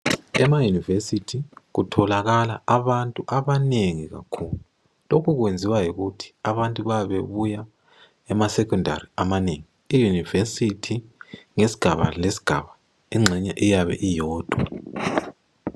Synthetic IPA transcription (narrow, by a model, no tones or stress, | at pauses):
ɛmajunivesitʰiɣutʰɔlaɣalaaβantʼuʔaβaneŋiɣa̰kʰuːluu | lokʰuɣwend͡zʱiwajiɣutʰi̥aβantʼuβaβeβuja | ɛmasɛkʰʼɔndʱa̰riamaneŋi | ijunivesitʰiŋesi̥ɡ̥ʱaβa̰lesi̥ɡ̥ʱa̰βa | iŋ͡ǁʱɛɲɛʔijaβɛ̰ʔijɔːd̥ʱwa